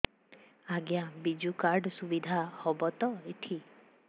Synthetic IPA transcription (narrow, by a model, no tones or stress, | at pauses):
aɡjabid͡ʒukaɾɖsubid̪ʱahɔbɔt̪ɔet̪ʰi